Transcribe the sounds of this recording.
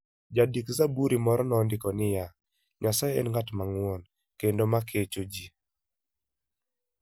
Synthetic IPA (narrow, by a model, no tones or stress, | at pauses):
d͡ʒadikzabuɾimɔɾɔnɔndɪkɔnɪja | ɲasajɛɛ̰nŋɡatmaŋwɔn | kendomakʰet͡ʃod͡ʒi